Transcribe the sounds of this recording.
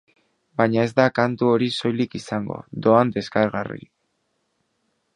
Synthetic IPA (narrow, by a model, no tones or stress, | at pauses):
baɲae̞zd̪akant̪uo̞ɾiso̞jlikisaŋɡo̞̰d̪o̞and̪e̞skaɾɣarḭ